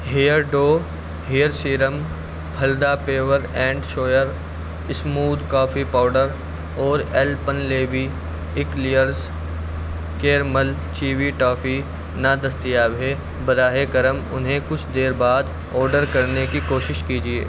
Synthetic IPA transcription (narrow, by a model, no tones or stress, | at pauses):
ɦiːjəɾɖoː | ɦijəɾsiːɾəm | pʰɐld̪apeːʋəɾɛ̃ːɳɖʃoːjəɾ | ɪsmuːd̪kaːfipaːʊɖəɾ | ɔːɾɛːlpənleːʋi | ɪklijəɾz | keːɾməl | t͡ʃiːʋiʈaːfi | nad̪ɐst̪ijaːbɦe | bɐɾaːɦekɐɾəmʊ̰nɦẽkʊt͡ʃʰd̪eːɾbaːd̪ | ɔːɾɖəɾkɐɾnekikoːʃɪʃkiːd͡ʒiḛː